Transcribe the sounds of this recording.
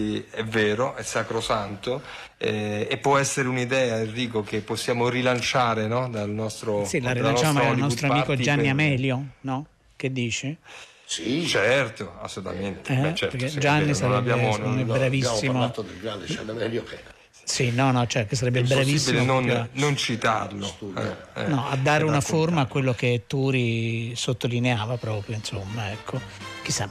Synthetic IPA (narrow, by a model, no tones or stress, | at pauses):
ɛvɛːɾoʔɛsːakɾosant̪o | ɛepːwɔɛsːeɾeunid̪ɛːairːiːkokepːosːjaːmoɾilant͡ʃaːɾenɔd̪alnɔst̪ɾosilarːilaant͡ʃamomaanɔst̪ɾoamikoɛd͡ʒːanːiamɛːljonɔ | k̟ed̪ːiːt͡ʃe | sit͡ʃɛrt̪oa̰sːolut̪a̰ment̪ɛɛpeɾked͡ʒanːisaɾɛbjanɛbɾavisːimot̪ːod̪elɡaed͡ʒanmɛljok | sinɔnɔt͡ʃɛkesːaɾɛbːebɾavisːinonanont͡ʃit̪a̰rlost̪ṵnɔad̪ːaːɾeunaformaːkːwelːoket̪ːuːɾisot̪ːolineaːvapɾɔːpɾjoinsomːaɛkʰːok̟isːa